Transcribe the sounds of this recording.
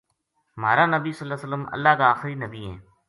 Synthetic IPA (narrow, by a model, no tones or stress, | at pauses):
ma̰ːɾaːnəbiːsəlːaːsələmə̰lːaːkaːxɾiːnəbiːɦɛ̰̃ː